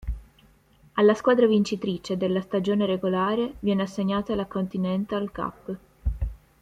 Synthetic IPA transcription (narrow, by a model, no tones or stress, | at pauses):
alːaskwaːd̪ɾavint͡ʃit̪ɾit͡ʃed̪elːast̪ad͡ʒoːneɾeɡolaːɾevjɛːneasːeɲːaːt̪alakont̪inɛnt̪ealka̰pː